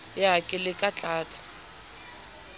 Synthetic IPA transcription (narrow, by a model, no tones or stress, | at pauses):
jakʼɪlɪkʼat͡ɬʼaːt͡sʼḁ